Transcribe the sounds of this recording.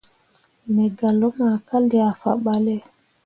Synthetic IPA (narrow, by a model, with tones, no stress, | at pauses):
mɛ˨ɡa˨lɔ˦ma˨ka˦ldɛ˨a˨fa̰˨ɓa˦lɛ˦